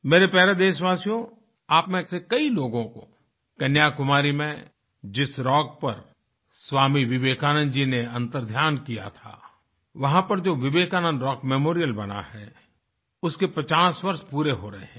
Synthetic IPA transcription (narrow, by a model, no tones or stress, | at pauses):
meːɾepɛːɾad̪eːʃʋaːsijõ | aːpmẽsekɐiloːɡõko̰ | kɐnjaːkʊmaːɾimẽ | d͡ʒɪsɾɔːk̚pɐ̰ɾ | swaːmiʋɪʋeːkaːnə̃nd̪d͡ʒineɐ̃nt̪əɾd̪ʱjaːnkija̰t̪ʰa̰ː | ʋɐɦãpɐɾd͡ʒoːʋɪʋeːkaːnə̃nd̪ɾɔːkmɛmoːɾijəlbɐna̰hɛ̰ː | ʊskepɾɐt͡ʃaːsʋɐɾʃpuːɾeɦoɾɐɦḛɦɛ̃